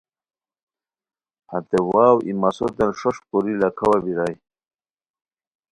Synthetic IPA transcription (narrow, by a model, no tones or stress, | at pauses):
hat̪ewaːwʔimasot̪enʂoʂpuɾilakʰawabiɾaj